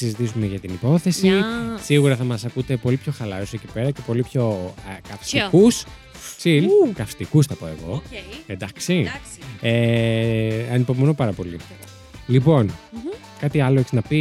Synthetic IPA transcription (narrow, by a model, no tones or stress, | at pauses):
sizit̪isume̞ʝɐt̪inipo̞θe̞sisiɣuɾɐθɐmɐsɐkut̪e̞po̞lipço̞xɐlɐɾosecipe̞ɾɐce̞po̞lipço̞kɐfsikus | silkɐfst̪ikusθɐpo̞e̞ɣo̞end̪ɐksi | e | ɐnipo̞mono̞pɐɾɐpo̞li | lipo̞n | kɐt̪iɐloeçiznɐpi